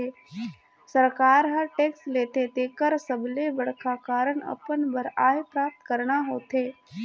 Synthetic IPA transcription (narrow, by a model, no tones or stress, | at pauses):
eː | səɾkaːɾɦəɾʈeːksleːt̪ʰet̪eːkəɾsəblebəɽ̤kakaːɾəɳ̃ə̰pənbəɾaːɦpɾaːp̚t̪kəɾɳaɦoːt̪ʰeː